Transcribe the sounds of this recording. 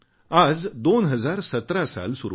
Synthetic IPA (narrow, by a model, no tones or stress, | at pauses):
ad͡zd̪onɦəd͡zaɾsət̪ɾasa̰lsuɾ